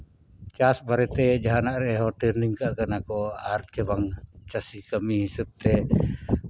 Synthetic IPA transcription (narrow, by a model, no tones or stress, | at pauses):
t͡ʃasbaɾɛt̪ɛd͡ʒaɦanaʔɾɛɦɔʈiɾniŋkaʔkanakɔaɾt͡ʃəbaŋt͡ʃasikamihisup̚t̪ɛ